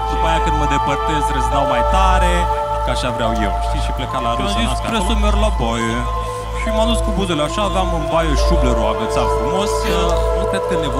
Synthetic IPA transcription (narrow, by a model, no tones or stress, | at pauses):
d̪upajakɨnd̪məd̪epərt̪esɾezd̪awmajt̪aɾe | kaʃavɾeawjewʃt̪iʃiplekalaɾazispɾesomerlabaje | ʃimad̪uskubuzeleaʃaːvamunbajeʃubleɾoavet̪safɾumosət̪et̪̚k̪enev